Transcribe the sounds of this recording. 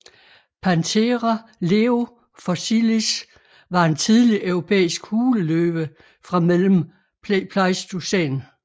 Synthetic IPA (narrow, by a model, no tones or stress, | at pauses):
pʰænt͡sʰeʁale̝o̝ | fɒsilis | ʋɑ̈e̝nt͡sʰið̞ˠliʔœʊʁo̝pʰḛːisɡ̥huːləløːb̥ə | fʁɑ̈melm̩ | pʰlɑɪsd̥usḛːn